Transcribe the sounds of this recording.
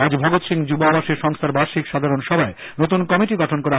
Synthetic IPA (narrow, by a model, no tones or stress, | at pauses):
ad͡ʑbʱɔɡot̪ʃiŋd͡ʑuboabaʃeɾʃɔŋst̪ʰaɾbaɾʃikʃad̪ʱaɾonʃɔbʱae | not̪unkɔmiʈiɡɔʈʰonkɔɾa